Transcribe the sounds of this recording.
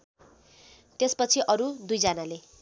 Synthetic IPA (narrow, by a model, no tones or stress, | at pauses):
t̪espʌt͡sʰiʔʌɾud̪ujd͡zʌnale